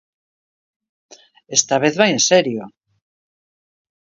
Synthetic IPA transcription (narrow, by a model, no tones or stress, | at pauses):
est̪aβ̞eðβajẽnseɾjo